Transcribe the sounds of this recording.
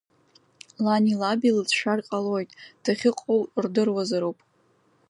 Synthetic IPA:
lanilabildʃᶣarqʼalojtʼd̥aχʲɪqʼowrdɨrwazaɾowpʼ

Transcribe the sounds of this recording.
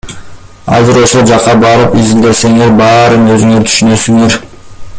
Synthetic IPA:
ɑ̰zɯɾo̞ʃod͡ʒɑqːɑbɑɾɯpizild̪e̞se̞ŋe̞ɾbɑːɾɯnøzyŋøɾt̪ʰy̥ʃynø̞syŋe̞ɾ

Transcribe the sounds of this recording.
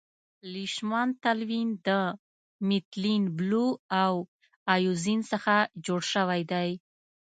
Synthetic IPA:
liʃmɑnt̪alwind̪ə | mɪt̪linbluaw | ɑjuzinsəxad͡ʒoɽʃəwajd̪aj

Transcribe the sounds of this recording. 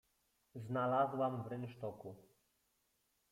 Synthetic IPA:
znalazwamvɾɛnʂt̪ɔku

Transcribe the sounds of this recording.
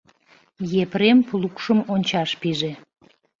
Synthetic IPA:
jepɾemplukʃəmonʲt͡ɕɑʃpiʒe

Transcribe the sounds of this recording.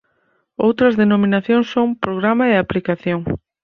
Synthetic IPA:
owt̪ɾɐzðenomĩnaθjõŋsoŋpɾoɣɾamaeaplikaθjoŋ

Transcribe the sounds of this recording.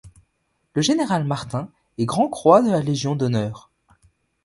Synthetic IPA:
ləʒeneʁalmaʁt̪ɛ̃ | ɛɡʁɑ̃kχwad̪əlaleʒjɔ̃d̪ɔnœːʁ

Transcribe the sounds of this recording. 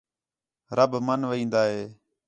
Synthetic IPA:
ɾəbmənʋəĩːnd̪aːɦeː

